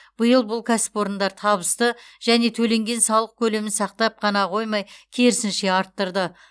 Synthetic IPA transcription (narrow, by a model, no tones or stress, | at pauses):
b̥əjəlˠbʊlˠkʲʰæsɪ̥pwo̞ɾənd̪ɑɾt̪ʰɑβəst̪əʒ̥æne̞t̪ʰɵle̞ŋɡʲe̞nsɑwlˠəq̚kʲʰɵle̞mɪnsɑq̚t̪ɑp̚qʰɑnɑqʰo̞jmɑjkʲʰe̞ɾɪsɪnʃe̞ɑɾt̪ːəɾd̪ə